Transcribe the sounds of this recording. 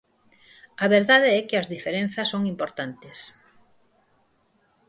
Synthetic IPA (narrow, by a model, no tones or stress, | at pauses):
ɐβeɾðaðeɛkɪɐzðifeɾen̟θɐsːoŋimpoɾt̪ant̪es